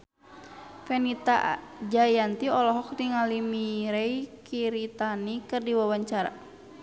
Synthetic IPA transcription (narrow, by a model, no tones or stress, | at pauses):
fɛnit̪a̰d͡ʒajant̪iɔlɔɦɔk̚diŋalimiɾɛikʰiɾit̪anikɨrdiwawaɲt͡ʃaɾa̰